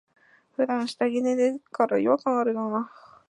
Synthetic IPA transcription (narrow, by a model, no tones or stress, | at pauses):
ɸɯ̟d̪ãɰ̃ɕi̥t̪aɡʲined̪ekaɾajkaŋaɾɯnona